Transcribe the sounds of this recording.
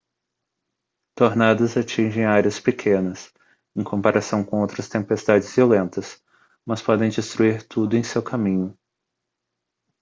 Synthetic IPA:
t̪oɾnad̪ɐzat͡ʃĩʒẽj̃aɾiɐspekʰẽnɐs | ẽj̃kʰõmpaɾʔasɐ̃w̃kõowt̪ɾɐst̪ẽpest̪ad͡ʒɪzviolẽnt̪ɐs | mɐspɔd̪ẽj̃d͡ʒɪst̪ɾuiɾt̪ud̪ʊẽj̃sewkʰamĩɲʊ

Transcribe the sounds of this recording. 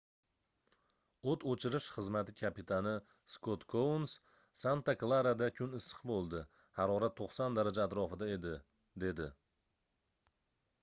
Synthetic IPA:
ot̪ʰot͡ʃʰɪɾɪʃχɨzmat̪ɪkʲʰapit̪ʰanɪ | skʰot̪kʰowns | sant̪aklˠaɾad̪akʲʰʊnɪsɨ̥qbolˠd̪ɪ | haɾɒɾat̪ʰːoqsɒnd̪aɾad͡ʒaːt̪ɾɒfɪd̪ae̞d̪ɪ | d̪e̞d̪ɪ

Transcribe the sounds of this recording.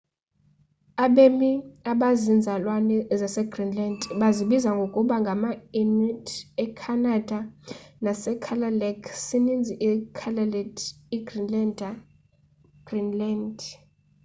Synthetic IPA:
aɓemiaɓazind͡zʱalwanɛzasɛɡ̥rinlandɓaziɓizaŋɡʱokʼuɓaŋɡʱamainitʰɛkʰanad̥ʱanasɛkʰalalɛkʰsinind͡zʱiʔkʰalldiɡrinlandʱa | ɡ̥rinlandʱ

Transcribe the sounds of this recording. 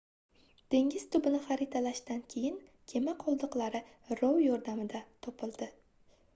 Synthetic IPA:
d̪̥e̞ŋʲɪz̥t̪ʰʊbɪnɪχɑɾɪt̪ʰalaʃd̪ankʲʰe̞jɪnkʲʰe̞maqʰɒlˠd̪ɨqlˠaɾɪ | ɾowjɒɾd̪amɪd̪at̪ʰɒpʰɪlˠd̪̥ɪ

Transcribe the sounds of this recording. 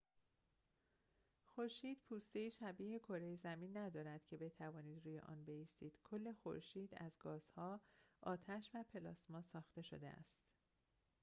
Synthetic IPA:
xo̞ɾʃiːd̪̥pʰuːst̪e̞jiːʃæbiːhekʰoɾejezæmiːnːæd̪ɒːɾæd̪̥cʰe̞be̞t̪ʰævɒːniːd̪ɾuːje̞̰ʔɒ̰ːnbe̞jiːst̪iːd̪̥kʰo̞lːe̞xo̞̰ɾʃiːd̪æ̰zɡɒːz̥hɒːʔɒːt̪ʰæʃvæpʰe̞lɒːsmɒːsɒːxt̪e̞ʃo̞̰d̪ḛæ̰st̪

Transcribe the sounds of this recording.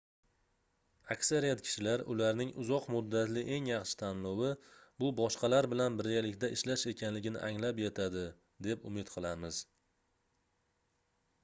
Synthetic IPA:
akʲsaɾijat̪kʲʰɪ̥ʃɪlaɾʔʊlaɾnɪŋʊzɒqmʊd̪ːat̪lɪʔe̞ŋjɑχʃɪ̥t̪ʰamlɒwɪbʊbɒʃqʰɑlaɾbɪlanbɪɾɡʲalɪkʲd̪aʔɪʃlaʃe̞kʲʰanlɪɡʲɪnɪ̰ʔaŋlapjet̪ʰad̪ɪ | d̪e̞pʊmɪt̪qʰɨlˠaɾmɪz̥

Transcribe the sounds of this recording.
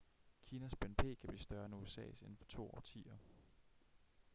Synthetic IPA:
kʰiːnæsb̥enpʰe̝̰ːkʰæb̥lḭːsd̥ɶɐenuesɛ̰ːse̝n̩fɒ̥̽t͡sʰo̝̰ːɒ̰ːt͡sʰḭːɐ

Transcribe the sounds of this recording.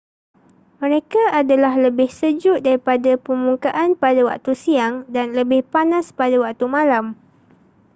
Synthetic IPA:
mə̃ɾekaʔadalahləbɪhsəd͡ʒʊʔdaɾipadapəmũŋkaʔanpadawak̚t̪usiaŋdanləbɪhpanãspadawak̚t̪umãlam

